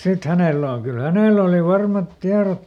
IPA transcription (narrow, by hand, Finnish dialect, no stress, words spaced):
sit hæneˑlæ oŋ kyl hæneˑl oli ʋɑrmɑt tiɑrot